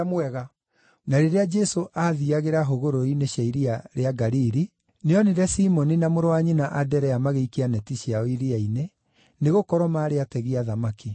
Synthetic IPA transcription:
amwɛɣa | naɾeɾead͡ʒɛsoʔaðiaɣeɾaɦoɣoɾoineɕaiɾiaɾeaɡaɾiɾi | neɔneɾɛsimɔninamoɾowaɲinaʔadɛɾɛjamaɣeikianɛtiɕjaoiɾiaine | neɣokɔɾwɔmaɾeatɛɣiaðamaki

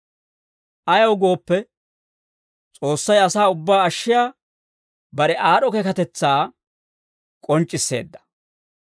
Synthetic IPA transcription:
ʔɐjɐwɡo̞ːpːɛ | t͡sʼo̞ːsːɐjɐsaːʊbːaːɐʃːɪjaː | bɐɾɛʔaːɗɔkekɐt̪ɛt͡sːaː | kʼɔnt͡ʃʼːɪsːe̞̰ːd̪ːɐ̥

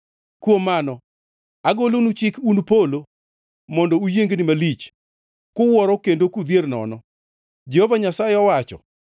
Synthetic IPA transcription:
kwomːanɔ | aɡolonut͡ʃɪkunpolo | mɔndɔujeŋɡnɪmalit͡ʃ | kʊwɔɾɔkendokud̪jernɔ̰nɔ | d͡ʒɛhovaɲasaɪɔwat͡ʃɔ̰

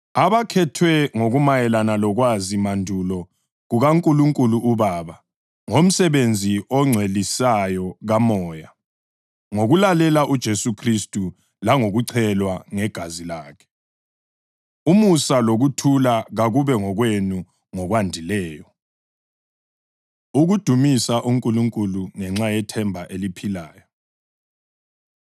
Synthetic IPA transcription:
aβakʰɛtʰwɛŋoɣumajɛlanalɔɣwazimandʱulɔ | ɣuɣaŋkʼuluŋkʼuluʔuβaːβa | ŋom̩sɛβend͡zʱiʔɔŋ͡ǀʱwelisajɔɣamɔːja | ŋoɣulalɛlaʔud̥ʒ̥ʱesukʰristʼu | laŋoɣuǀʰɛlwaŋɛɡ̥ʱazilaːkʰɛ̥ | umusaloɣutʰulaɣaɣuβɛŋɔɣwenu | ŋɔɣwandʱilɛːjɔ | uɣud̥ʱumisaʔuŋkʼuluŋkʼuluŋɛŋ͡ǁajɛtʰɛmbʱaʔelipʰilaːjɔ

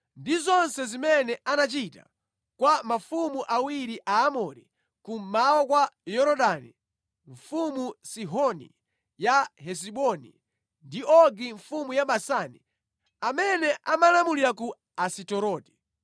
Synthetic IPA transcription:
ndizɔnsɛzimɛnɛʔanat͡ʃita̰ | kwamafumuʔawiɾiʔaːmɔɾḭ | kum̩mawɔkwajɔɾɔɗani | ɱfumusiɦɔnḭ | jahɛs̬iɓɔnḭ | ndiɔɡiɱfumujaɓasani | amɛnɛʔamalamuliɾaku | asitɔɾɔti̥

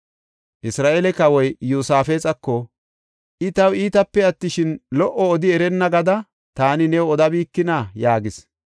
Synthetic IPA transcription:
ʔɪsɾaːʔelɛkɐwɔjjuːsaːfeːt͡sʼɐkːɔ | ʔɪt̪ɐwiːt̪ɐpːɛɐt̪ːɪʃɪnlɔʔɔːd̪ɪɛɾɛnːɐɡɐd̪ɐ | t̪aːnɪnɛwɔd̪ɐbiːkːɪnajaːɡɪs

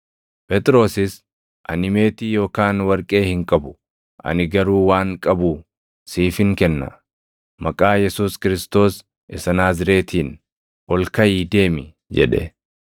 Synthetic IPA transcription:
pʼɛt̪ʼɾo̞ːsɪs | ʔɐ̰nɪme̞ːt̪iːjo̞ːkaːnwɐɾkʼe̞ːhɪŋkʼɐbʊ̥ | ʔɐ̰nɪɡɐɾuːwaːŋkʼɐbuː | siːfɪŋkɛnːɐ̰ | mɐkʼaːjɛsuːskɪɾɪst̪o̞ːs | ʔɪsɐnaːzɪɾe̞ːt̪ʰiːn | ʔɔlkɐjiːd̪e̞ːmɪ | d͡ʒɛ̰ᶑɛ̰

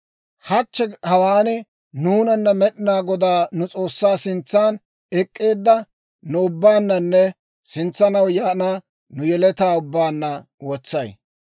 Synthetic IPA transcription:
hɐt͡ʃːɛhɐwaːnɛ | nuːnɐnːɐmɛɗɪnaːɡɔd̪aːnʊt͡sʼo̞ːsːaːsɪnt͡sːaːn | ɛkʼːe̞ːd̪ːɐ | nʊʊbːaːnːɐnːɛ | sɪnt͡sːɐnɐwjaːnaː | nʊjɛlɛt̪aːʊbːaːnːɐ | wɔt͡sːɐj

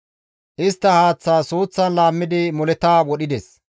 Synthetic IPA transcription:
ʔɪst̪ːɐhaːt͡sːaːsoːt͡sːɐnlaːmːɪd̪ɪmɔlɛt̪aːwɔɗɪd̪ɛs

